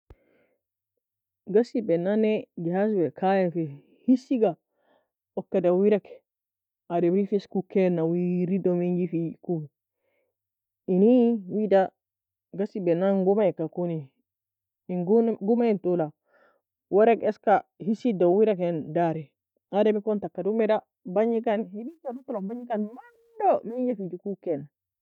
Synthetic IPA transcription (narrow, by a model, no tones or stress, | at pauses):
ɡasibɛnanɛd͡ʒɛhas̬bɛkʰajafɛ | hisiɡa | ɔkːadawiɾakɛ̥ | adɛɾifiskukɛnawiɾidɔmiŋɡifiku | iniwida | ɡasibenaŋɡumakakuni | ɡɡumaintula | waɾekɛskahisidowiɾakendaɾi | ademikontakːadumɛda | baɲikanhiditaɾutulombaɲikanman | domeɲd͡ʒafid͡ʒukukɛna